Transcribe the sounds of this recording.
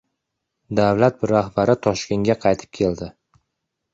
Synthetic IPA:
d̪avlat̪̚bɪɾahbaɾɪt̪ʰɒʃkʲe̞ŋɡʲaqʰɑjt̪ʰɪ̥p̚kʲʰe̞ld̪ɪ

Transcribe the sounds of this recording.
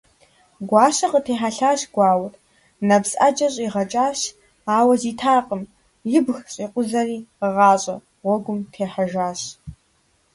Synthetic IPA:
ɡʷɑːɕɐqətʰeːħaɬaːɕɡʷɑːwr | nɐbsʼad͡ʒʼɐɕʼiʁɐt͡ʃʼaːɕ | aːwɐziːtʰaːqʼəm | jɪbxɕʼiːqʷʊzɐriːqəʁɑːɕʼɐ̰ | ʁʷɔɡʷʊmtʰeːħaʒaːɕ

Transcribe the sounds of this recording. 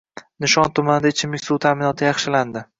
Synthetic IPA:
nɪʃɒnt̪ʰʊmanɪd̪aɪt͡ʃʰɪmɪkʲsuwt̪ʰamɪnɒt̪ʰɪjɑχʃɪland̪ɪ

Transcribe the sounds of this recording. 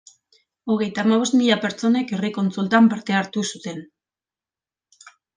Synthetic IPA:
o̞ɣ̞e̞jt̪aːmaβo̞st̪miʎape̞ɾt͡so̞ne̞ke̞riko̞nt͡sult̪ampaɾt̪e̞aɾt̪usut̪e̞n

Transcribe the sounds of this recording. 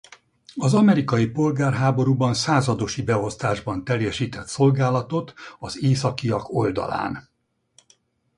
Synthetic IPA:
ɒzɒmɛɾikɒjipo̞lɡaːrɦaːbo̞ɾuːbɒnsaːzɒd̪o̞ʃibɛo̞st̪aːʒbɒnt̪ɛljɛʃiːt̪ɛt̪so̞lɡaːlɒt̪o̞t̪ɒzeːsɒkijɒko̞ld̪ɒ̰la̰ːn

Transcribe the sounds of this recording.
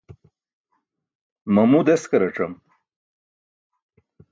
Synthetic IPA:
mɐmud̪eskɐɾɐʈ͡ʂɐm

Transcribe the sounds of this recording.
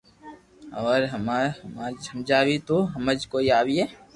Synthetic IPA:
ɔːɾɦəmamad͡ʒəmd͡ʒaːwit̪oɦɐməd͡ʒkoːiaːwiɦɛː

